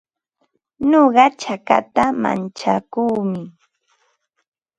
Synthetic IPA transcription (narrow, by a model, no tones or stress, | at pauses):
noɢɑt͡ʃaka̰t̪ama̰nt͡ʃakuːmɪ